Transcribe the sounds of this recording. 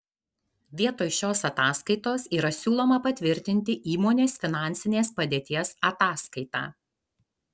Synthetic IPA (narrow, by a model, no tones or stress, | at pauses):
ʋʲiɛt̪oːjʃʲoːsɐt̪ɑːskɐɪt̪oːsiːɾɐsʲuːlˠoːmɐpɐt̪ʲʋʲɪɾʲt̪ʲɪnʲt̪ʲɪʔiːmoːnʲeːsfʲɪnɑˑnʲsʲɪnʲeːspɐd̪ʲeːt̪ʲiɛsɐt̪ɑːskɐɪt̪ɑ̰ː